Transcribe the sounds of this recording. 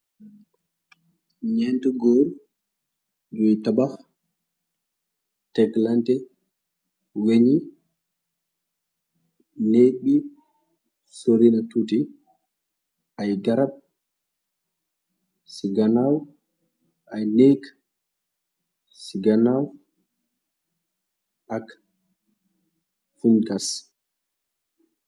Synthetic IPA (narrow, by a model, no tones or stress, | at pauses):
ɲɛntuɡoːɾ | d͡ʒɔjtabaf | tɛɡlantɛ | weɲi | neɓi | soɾinatuti | ʔajɡaɾab̚ | siɡanaw | ʔajnek | siɡanaw | ak | funkas